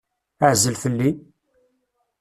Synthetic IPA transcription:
əʕzəlfəlːi

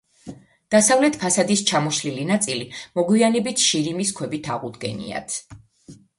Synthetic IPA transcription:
d̪̥asavlɛt̪ʰpʰasad̪ist͡ʃʰamɔʃlilinat̪sʼilimɔɡwianɛbit̪ʰʃiɾimiskʰwɛbit̪ʰaʁud̪ɡɛ̰nḭa̰t̪ʰ

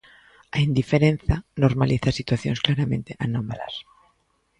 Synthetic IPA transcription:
aind̪ifeɾẽn̟θanoɾmaliθasit̪waθjonsklaɾamẽnt̪eʔanomala̰s

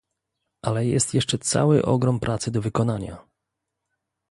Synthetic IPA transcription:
ʔalɛjɛ̰st̪jɛʂt͡ʂɛt̪sa̰wɘ̰ʔɔ̰ɡɾɔmpɾʔat̪sɘd̪ɔvɘkɔnaɲa̰

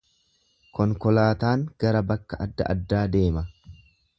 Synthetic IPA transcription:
kɔŋkɔlaːt̪aːŋɡ̥ɐɾɐbɐkːɐʔɐd̪ːɐ̰ʔɐ̰d̪ːaːd̪e̞ːmɐ

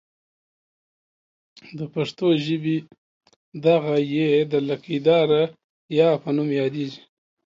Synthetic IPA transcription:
d̪əpaʂt̪oʒəbi | d̪aɣajed̪əlakid̪ɑɾa | jɑpənumjɑd̪eʒi

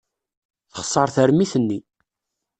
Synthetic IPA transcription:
θə̥χsˤːəɾˤθəɾmiθənːi

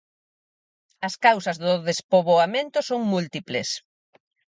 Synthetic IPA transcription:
ɐskawsɐzðʊðespoβoamẽnt̪ʊsoŋmult̪iplḛs

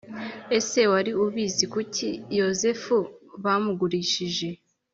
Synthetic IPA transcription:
e̞se̞waɾiuβiːzikucʰijo̞zefuβamuɡuɾiːʃiʒe̞

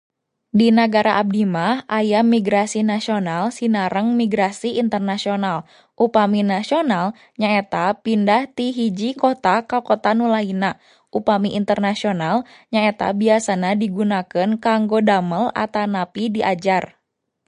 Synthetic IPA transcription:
dinaɡaɾaʔab̚dimahajamiɡɾasinasionalsinaɾəŋmiɡɾasiːnt̪ərnasional | ʔupaminasional | ɲaɛt̪apindaht̪iɦid͡ʒikot̪akakot̪anulaina | ʔupamiʔint̪ərnasionalɲaet̪a̰biasaɲadiɡunakənkaŋɡodaməla̰t̪anapidiʔad͡ʒar

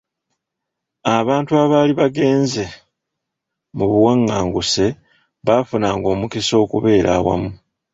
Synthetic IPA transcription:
aβaːntuaβaːliβaɡe̞ːnze̞ | muβuwaŋːaːŋɡuse̞ | βafunaːŋɡo̞ːmukiso̞ːkuβe̞ːɾa̰ːwa̰mu

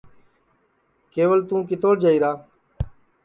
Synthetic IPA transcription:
keːʋəlt̪ũːk̬ɪt̪oːʈd͡ʒaːiːɾaː

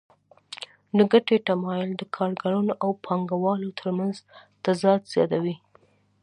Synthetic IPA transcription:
nəɡaʈeʈamɑjɪld̪əkʰɑɾɡaɾunoʔawpʰɑŋɡawɑlot̪ʰəɾmanzt̪azɑd̪z̥jɑ̰t̪awi

